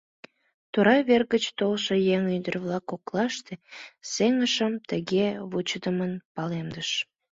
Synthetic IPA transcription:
t̪uɾɑβerɣət͡ɕt̪olʃəjeŋynd̪ərβlɑkoklɑʃt̪eseŋəʃəmt̪əɣeβut͡ɕəd̪əmənpɑlemd̪əʃ

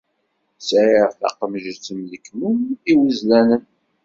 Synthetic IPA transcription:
sʕiɾθɑ̰qəmʒt͡sːəmðəkmuniwəzlænən

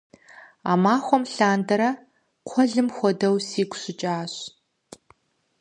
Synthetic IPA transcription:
a̰ːmaːxʷɔmɬaːndɐɾɐ | qʷʰɔɮɨmxʷɔdɐwsiːɡʷʰʼɕɪt͡ʃʼaːɕ

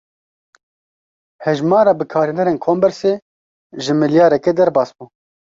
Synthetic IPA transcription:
hɛʒmɑːɾɑːbɨkʰaːɾind̪ɛɾeːnkʰoːmbɛɾseː | ʒɨmɨljaːɾɛkɛd̪ɛɾbɑːsbuː

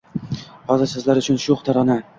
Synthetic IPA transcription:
hɒzɪɾsɪzlaɾʊt͡ʃʰʊnʃuχt̪ʰaɾɒna

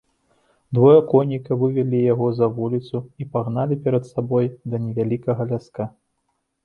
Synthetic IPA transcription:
d̪vɔjɐkɔnʲikɐvɨvʲɛlʲijaɣɔzɐvulʲit̪suipaɣnalʲipʲɛɾɐt̪sabɔjd̪ɐnʲɛvʲalʲikɐɣɐlʲaska

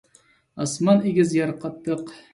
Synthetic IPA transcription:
ɑsmɑneɡʲɪzjɑɾqʰːɑt̪ːɨq

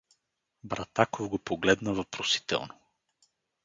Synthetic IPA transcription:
bɾat̪akovɡopoɡlɛd̪nəvɐpɾosi̥t̪ɛ̰lˠno

